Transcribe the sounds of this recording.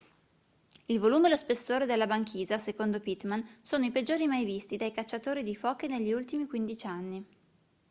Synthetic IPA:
ilvoluːmelospesːoːɾed̪elːabaŋkiːzasekond̪opit̪mansoːnoiped͡ʒːoːɾimajvist̪id̪ajkat͡ʃːat̪oːɾid̪ifɔːkeneʎːiult̪imikwind̪it͡ʃanːi

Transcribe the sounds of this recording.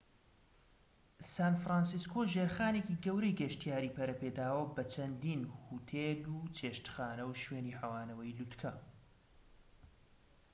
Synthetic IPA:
saːnfɾaːnsiskʰoʒeɾxaːnekiːɡɐwɾejɡɐʃt̪ijaːɾiːpʰɐɾɐpeːd̪aːwɐbɐt͡ʃʰɐnd̪iːnhut̪ʰeːlut͡ʃʰeːʃt̪xaːnɐwʃweːniːhɐwaːnɐwɐjlut̪kʰɐ

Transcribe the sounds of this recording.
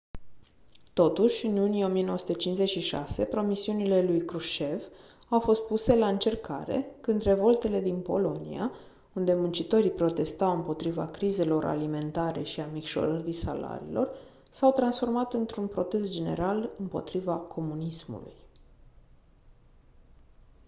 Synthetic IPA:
t̪o̞t̪uʃʲɨnlunieo̞mijenoəsut̪et͡ʃinze̞t͡ʃʃiʃa̰se̞pɾo̞misiunile̞lujkɾuʃe̞v | awfo̞st̪̚puse̞laɨnt͡ʃe̞rka̰ɾe̞̰kɨnd̪re̞vo̞lt̪e̞le̞d̪inpo̞̰lo̞nḭa̰ | und̪e̞munt͡ʃit̪o̞ɾipɾo̞t̪e̞st̪awɨmpo̞t̪ɾiva̰kɾize̞lo̞ɾa̰lime̞nt̪aɾe̞̰ʃiamikʃo̞̰ɾəɾisa̰la̰ɾḭlo̞̰r | sawt̪ɾansfo̞rmat̪ɨnt̪ɾunpɾo̞t̪e̞st̪̚d͡ʒe̞ne̞̰ɾalɨmpo̞̰t̪ɾivakʰo̞munismṵlṵj

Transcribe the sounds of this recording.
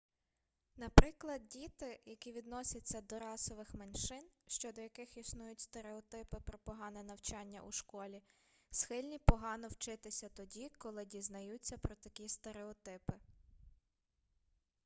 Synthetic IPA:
nɐpɾɪklˠɐd̪̚dʲit̪ɪjɐkʲiʋʲid̪nɔsʲɐt͡sʲːɐd̪ɔɾɑsɔʋɪxmenʃɪnʃt͡ʃɔd̪ɔjɐkɪxisnujʊtʲst̪eɾeɔt̪ɪpɪpɾɔpɔɦɑnɛnɐwt͡ʃɑnʲːɐ̰ʔṵʃkɔlʲi | sxɪlʲnʲipɔɦɑnɔwt͡ʃɪt̪ɪsʲɐt̪ɔdʲikɔlˠɪdʲiznɐjut͡sʲːɐpɾɔt̪ɐkʲist̪eɾeɔt̪ɪpɪ

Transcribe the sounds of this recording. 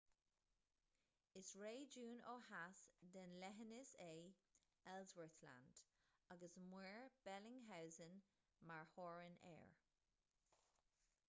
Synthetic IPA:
ɪsɹeːd͡ʒuːno̰ːhasd̪ənlɛɦənɪseː | ɛlzwəɹθla̰nd̥aɡəsmwɛːɹb̥ɛlɪŋɦawzən | maɹhɔːɹənɛ̰ːɹ

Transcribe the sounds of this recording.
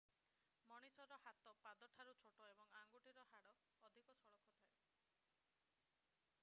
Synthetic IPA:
mɔɽ̃isɔɾɔhat̪ɔpad̪ɔʈʰaɾut͡ʃʰoʈoebɔŋaŋɡuʈiɾɔɦaɽɔː | d̪ʱikɔsɔɭɔkʰɔt̪ʰae

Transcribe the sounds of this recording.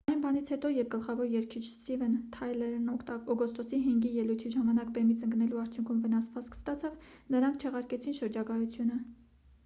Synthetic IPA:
ɑjnbɑnit͡sʰhɛt̪ɔjɛp̚ʰɡəlχɑvɔɾjɛɾkʰit͡ʃʰst̪ivɛnt̪ʰɑjlɛɾnɔt̪ɔɡɔst̪ɔsiɦɛŋɡijɛlujt̪ʰiʒɑmɑnɑkbɛmit͡sʰəŋɡnɛluɑɾt͡sʰjuŋkʰumvənɑsvɑt͡skʰst̪ɑt͡sʰɑv | nəɾɑŋkʰt͡ʃʰɛʁɑɾkɛt͡sʰinʃəɾd͡ʒɑɡɑjut͡sʰjunə

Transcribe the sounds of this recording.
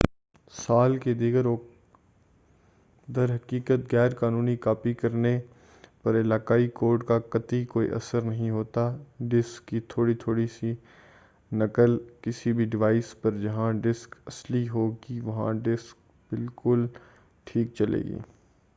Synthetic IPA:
saːlked̪iːɡəɾoː | d̪ɐɾɦɐkiːkət̪̚ɣɛːɾkaːnuːnikaːpikɐɾne | pɐɾɪlaːkaːikoːɾɖkakɐt̪ikoːḭʔɐ̰səɾnɐɦĩɦoːt̪aɖɪskːit̪ʰoːɽit̪ʰoːɽisi | nɐkəlkɪsibʱiɖɪʋaːɪspɐɾd͡ʒɐɦãɖɪskɐsliɦoːɡiʋɐɦã̰ɖɪsk̚ | bɪlkʊl | ʈʰiːk̚t͡ʃɐlḛːɡḭː

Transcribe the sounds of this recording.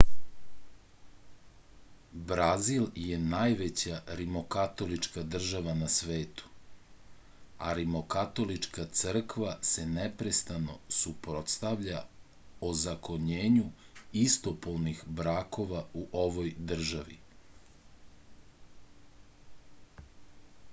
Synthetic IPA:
bɾazilje̞najʋet͡ɕaɾimo̞kat̪o̞lit͡ʃkad̪r̩ʒaʋanasʋe̞ːt̪u̥ | aɾimokat̪o̞lit͡ʃkat̪sr̩kʋase̞nepɾest̪ano̞̰supɾot̪st̪aʋʎa | ozakoɲeːɲuist̪o̞polˠnixbɾaːko̞ʋauʔo̞ʋojd̪r̩ʒaʋḭ

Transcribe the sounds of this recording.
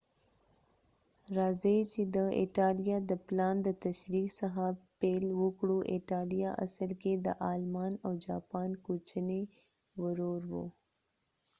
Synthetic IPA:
ɾɑzəit͡ʃed̪əɪ̰ʈɑlijɑd̪əplɑnd̪ət̪aʃɾiksaxapelwəkɽuʔɪʈɑlijaʔa̰səlked̪ə̰ʔɑlmɑnawd͡ʒɑpɑnkot͡ʃəne | wəɾoɾwo̰

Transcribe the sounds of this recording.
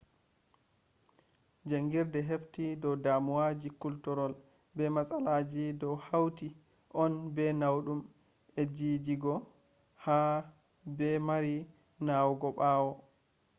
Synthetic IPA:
d͡ʒaŋɡiɾdɛɦeftidɔwdamuwad͡ʒikultɔɾɔl | bɛmasalad͡ʒidɔwhawti | ʔɔnbɛnawɗum | ɛd͡ʒiːd͡ʒiɡɔ | ha | bɛmaɾi | nawɡɔɓaːwɔ

